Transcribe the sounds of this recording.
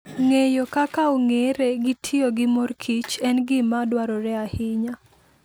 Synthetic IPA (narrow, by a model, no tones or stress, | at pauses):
ŋejokakaoŋeɾeɡɪtʰioɡɪmorkʰit͡ʃɛnɡɪmadwaɾɔɾɛahɪɲa